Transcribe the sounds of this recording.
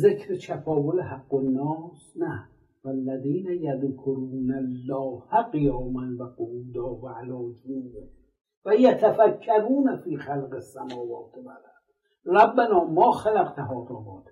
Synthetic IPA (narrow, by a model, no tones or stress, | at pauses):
zekʰɾet̪ʰafɒːvolehaɡːonːɒːsnæ | vælːæðiːnæjaðkʰoɾuːnalːɒːhæqejɒːmanvæqouːd̪ɒːvʕalɒːd͡ʒuːde | væjat̪ʰafækʰːæɾuːnæfiːxalqesːæmɒːvɒːt̪ʰebalḁ | ɾˤabːanɒːmɒːxalæqt̪ʰaɦɒːt̪oːbɒːt̪ʰ